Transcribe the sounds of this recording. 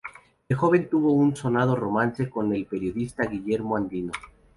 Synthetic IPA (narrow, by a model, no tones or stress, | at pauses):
exo̞βe̞nt̪uβo̞unso̞nað̞o̞ro̞manse̞ko̞ne̞lpe̞ɾjo̞ðist̪aɣiʝe̞ɾmoand̪ino̞